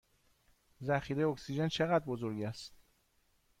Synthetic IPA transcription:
zæxiːɾejoksid͡ʒent͡ʃʰe̞ɣæd̪̚bozoɾɟæst̪

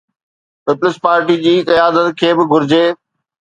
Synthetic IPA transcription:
pɪplɪspaːɾʈid͡ʑiːkɐjaːd̪ət̪kʰeːbɪɡʱʊɾɪd͡ʑeː

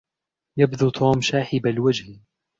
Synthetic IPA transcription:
jabd̪uːt̪ʰoːmʃaːħɪbalwad͡ʒh

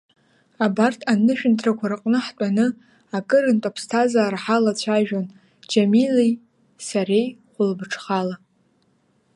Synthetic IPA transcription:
abartʰanɨʃᶣʏntʰʼrakʷʰarɨqʼnɨħtʼanɨ | akʼɨɾɨntʼapʰstʰazaːraħalat͡ɕʷʰaʒᶣon | d͡ʒamilij | saɾejχʷʊlbɨʈ͡ʂʰχala

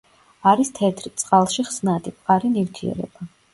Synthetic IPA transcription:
aɾist̪ʰɛt̪ʰɾit̪sʼqʼalˠʃiχsnad̪ʼip̚ʰχaɾinift̪ʰiɛ̰ɾɛ̰ba

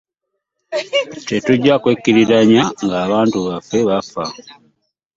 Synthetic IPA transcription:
tetuɟːakwekːiɾiɾaɲaŋɡaːβaːntuβafːe̞βafa

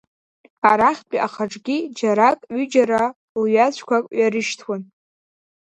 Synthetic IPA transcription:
aɾaχʲpʼiʔaχaʈ͡ʂʼɡʲid͡ʒaɾakʼɥʏd͡ʒaɾa | lɥat͡ɕʷʰkʷʰakʼɥaɾɨʃtʰwan

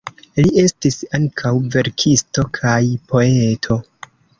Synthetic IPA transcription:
liʔe̞stisaŋkʰawve̞ɾkʰisto̞kʰajpo̞e̞tʰo̞

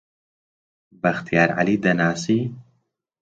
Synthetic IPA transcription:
bɐxt̪ijaːɾʕa̰liːd̪ɐnaːsiː

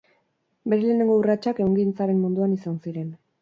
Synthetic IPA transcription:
be̞ɾe̞leːne̞ŋɡo̞urat͡ʃake̞uŋɡint͡saɾe̞mmund̪uanisansiɾe̞n

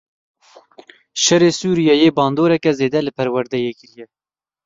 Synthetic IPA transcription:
ʃɛɾeːsuːɾijɑjeːbɑːnd̪oːɾɛkɛzeːd̪ɛlɨpʰɛɾwɛɾd̪ɛjɛkilijɛ

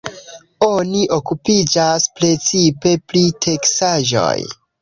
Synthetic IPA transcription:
o̞niʔo̞kupid͡ʒaspɾe̞t͡sipe̞pɾitʰe̞ksaʒo̰j

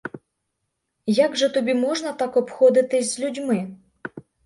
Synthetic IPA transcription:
jaɡʐɨt̪ɔbʲimɔʐnɐt̪akɔpxɔd̪ɨt̪ɨsʲzʲlʲudʲmɨ

